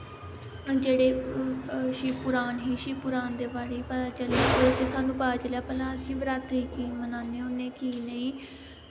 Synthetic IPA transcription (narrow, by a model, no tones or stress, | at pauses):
d͡ʒeːɽeː | ʃiːpʊɾaːnɦiːʃiːpʊɾaːnd̪eːbaːɽeːpət̪aːt͡ʃəleːəd͡ʒ̪esaːnũːpaaːt͡ʃəljaːpəlãːəsĩːʋəɾaːt̪ɦiːkiːmənaːneːʊnːeːkiːnəĩː